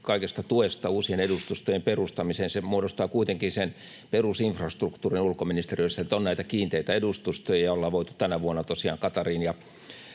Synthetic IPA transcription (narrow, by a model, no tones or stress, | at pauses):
kɑikest̪ɑt̪uest̪ɑuːsienedust̪ust̪ojemperust̪ɑmiseːnsemuodost̪ɑːkuit̪eŋkinsen | perusiɱfrɑst̪rukt̪uːrinulkominist̪erijøosːɑet̪ːonnæit̪ækiːnt̪eit̪æedust̪ust̪ojɑjɑolːɑʋoit̪u̥t̪ænæʋuonːɑt̪osiɑ̰ːŋkɑt̪ɑriːnjɑ